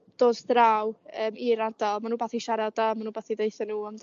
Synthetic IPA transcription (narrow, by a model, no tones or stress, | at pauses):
d̥oːdθɾawəːmiɾardalˠmanuːbaθiʃaɾadamanuːbaθidejθənuːɔm